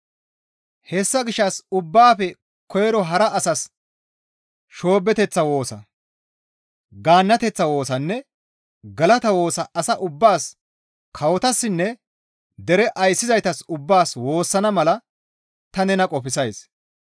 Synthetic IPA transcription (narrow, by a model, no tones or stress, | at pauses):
hɛsːɐɡɪʃːɐsʊbːaːfɛ | kʰɔjɛɾɔɦɐɾɐʔːsɐs | ʃo̞ːbːɛt̪ɛt͡sːɐwo̞ːsɐ̰ | ɡaːnːɐt̪ɛt͡sːɐwo̞ːsɐnːɛ | ɡɐlɐt̪ɐwo̞ːsɐʔːsɐʔʊbːaːs | kʰɐwɔt̪ɐsːɪnːɛ | d̪ɛɾɛʔɐjsːɪzɐjt̪ɐsʊbːaːswo̞ːsːɐnɐmɐlɐ | t̪ɐnɛnɐkʼɔpɪsɐjs